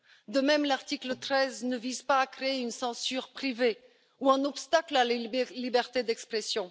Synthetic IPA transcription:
d̪əmɛmlaʁt̪iklət̪χɛznəvizpaːkχeːynsɑ̃syʁpχive | uɛ̃nɔpst̪aklallibɛʁt̪ed̪ɛkspχɛsjɔ̃

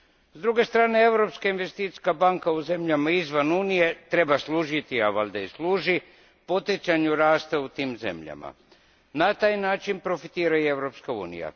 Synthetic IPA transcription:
zd̪ɾuɡe̞st̪ɾaːne̞e̞ʋɾo̞pskainʋe̞st̪iːt̪i̥skabaŋkauze̞mʎamaizʋanuːnije̞t̪ɾe̞baslˠuːʒit̪iaʋalʲd̪aislˠuːʒi | po̞t̪jet͡ʃ̪aɲuɾaːst̪aut̪iːmze̞̰mʎa̰ma̰ | nat̪aːjnaːt͡ʃinpɾo̞fit̪iːɾaie̞ʋɾo̞pskaṵːnḭja̰

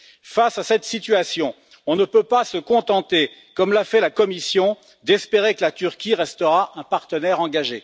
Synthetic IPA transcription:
fasasɛt̪sit̪yasjɔ̃ | ɔ̃nəpøpasəkɔ̃t̪ɑ̃t̪ekɔmlafɛlakɔmisjɔ̃ | d̪ɛspeʁekəlat̪yʁkʲiʁɛst̪əʁaʔɛ̃paʁt̪ənɛʁɑ̃ɡaʒe

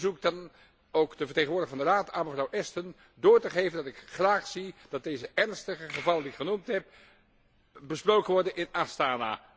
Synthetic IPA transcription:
zuk̚dɑn | owkdəvəɹteːχnʋʊːɹdəvɑndəraːtaːnməvrʌwʔɛstən | dʊːɹtəχejvəndɑtɪkχraːχsid̥ɑt̚dejzəʔɛɹnstəχəχəvɑlˠəndiɪkχənumtɦɛp̚ | bəsprowkənʋɔɹdənɪnastaːna̰ː

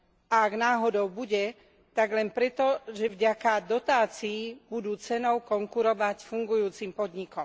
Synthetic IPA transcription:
ʔaaɡnaːɦɔd̪ɔʊbuɟɛ | t̪aɡlɛnpɾɛt̪ɔʒɛvɟakad̪ɔt̪aːt͡siːbud̪uːt͡sɛnɔʊkɔŋkuɾɔʋacfuŋɡujuːt͡simpɔd̪ɲikɔm

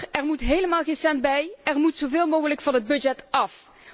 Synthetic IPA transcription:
ɛɹmutɦejləmaːlˠɣəsɛnt̚bɛjʔɛrmutsowvɪːlˠmoːɣələkfɑnɦəd̚bɵd͡ʒɛtɑf

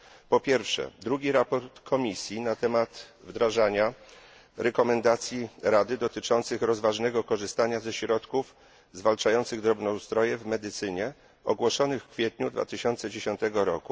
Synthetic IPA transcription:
pɔpʲjɛɾfʂɛ̰d̪ɾuɡʲiɾapɔɾt̪kʰɔmʲisʲjinat̪ɛmat̪vd̪ɾaʐaɲa | ɾɛkɔmɛnd̪at̪sʲjiɾad̪ɘd̪ɔt̪ɘt͡ʂɔnt̪sɘxɾɔzvaʐnɛɡɔkɔʐɘst̪aɲazɛɕɾɔt̪kuf | zvalt͡ʂajɔnt̪sɘɣd̪ɾɔbnɔust̪ɾɔjɛvmɛd̪ɘt̪sɘɲɛ | ɔ̰ɡwɔʂɔnɘxkfʲjɛt̪ɲud̪va̰t̪ɘɕɔnt̪sɛd͡ʑeɕɔnt̪ɛɡɔɾɔku

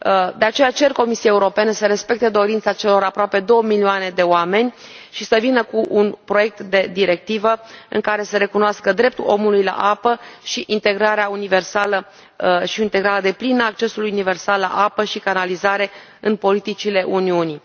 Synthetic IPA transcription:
d̪e̞at͡ʃe̞jat͡ʃe̞rko̞misiaeuɾo̞penesəɾe̞spe̞k̚t̪e̞d̪o̞ɾint̪sat͡ʃe̞loɾapɾoape̞d̪o̞wəmilioane̞d̪e̞oame̞nʲ | ʃisəvinəkuʔunpɾo̞je̞k̚t̪d̪e̞d̪iɾe̞k̚t̪ivəɨ̰ŋkaɾe̞seɾe̞kunoaskəd̪ɾe̞p̚t̪ulo̞mulujla̰ʔapəʃiʔint̪e̞ɡɾaɾeaunive̞rsalə | ʃiint̪e̞ɡɾaɾad̪e̞plinəːk̚t͡ʃe̞suljunive̞rsalːa̰ʔapəʃikanalizaɾe̞ | ɨnpo̞lit̪it͡ʃile̞ʔuniuni

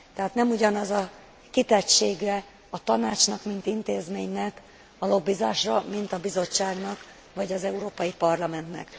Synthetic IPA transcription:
t̪ɛɦaːt̪nɛmuɟɒnɒzɒ | kit̪ɛcʃeːɡɛ | ɒt̪ɒnaːt͡ʃnɒkmint̪int̪eːzmeːɲnɛk | ɒlo̞bːizaːʃrɒmint̪ɒbizo̞t͡ʃːaːɡnɒk | vɒɟɒzɛuɾoːpɒjipɒrlɒmɛnt̪nɛ̰k

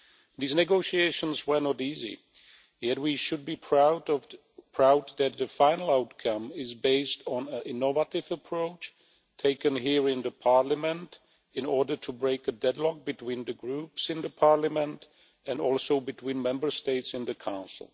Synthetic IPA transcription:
ðiznɨɡoʊʃieɪʃə̃nzwə˞nɔɾizḭ | jɛt̚wiʃɨd̚bipʰɹa | pʰɹ̥aʊd̪̚ðɨt̪̚ðɨfãɪ̃nl̩ˠaʊt̚kʰʌ̃mɪzbeɪstn̩ə̃ʔɪnɔvəɾɪvəpʰɹ̥oʊt͡ʃ | tʰeɪkɨ̃nɦiɹɪ̃nðɨpʰɑɹləmɨ̃nt | ɪ̃nɔɹdə˞tʰubɹeɪkɨdɛdˡlɔk̚b̥ɨtʰw̥ĩnðɨɡɹupsɨ̃nðəpʰɑɹləmə̃nt | ɨ̃nɔ̰lˠsoʊbɨtʰwĩnmɛ̃mbə˞steɪtsɨ̃nðɨkʰãʊ̃nsl̩ˠ

